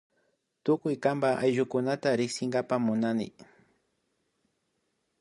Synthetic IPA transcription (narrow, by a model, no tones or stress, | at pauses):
t̪ʊkʊjkambaʔajʒʊkʊnat̪aɾɪksɪŋɡapamʊnanɪ̰